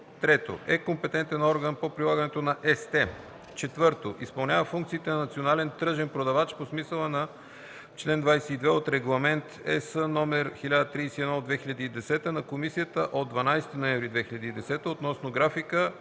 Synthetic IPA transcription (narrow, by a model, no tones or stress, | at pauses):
t̪ɾɛt̪o̰ʔɛkompɛt̪ɛnt̪ɛnɔɾɡənpopɾilˠaɡənɛt̪onɐʔɛst̪ɛ | t͡ʃɛt̪vɤɾt̪oʔispɐlˠnʲavəfuŋkt̪sit̪ɛnɐnɐt̪sionalɛnt̪ɾɤʒɛnpɾod̪ɐvat͡ʃposmisəlˠənɐ | t͡ʃlɛnd̪vajsɛid̪vɛot̪ɾɛɡlˠɐmɛnt̪ɛ̰sənɔmɛɾxilʲad̪ət̪ɾijsiɛd̪nɔod̪vɛxiʎɐd̪iːd̪ɛsɛt̪ənɐkomisijət̪əʔod̪ːvɐnajst̪inoɛnvɾid̪vɛxiʎɐd̪iːd̪ɛsɛt̪əot̪nɔsnoɡɾafikə